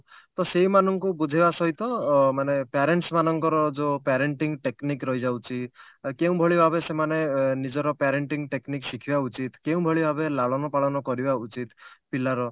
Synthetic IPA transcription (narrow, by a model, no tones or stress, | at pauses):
t̪ɔseɦimanɔŋkubud͡ʒʱibasɔɦit̪ɔmanepaɾeɳʈsmanɔŋkɔɾɔd͡ʒopaɾeɳʈiŋʈeknikɾɔɦid͡ʒawt͡ʃʰi | keũbʱɔɭibʱabesemanenid͡ʒɔɾɔpaɾeɳʈiŋʈekniksikʰibaut͡ʃit̪keũbʱɔɭibʱabelaɭɔnɔpaɭɔnɔkɔɾibaut͡ʃit̪pilaɾɔ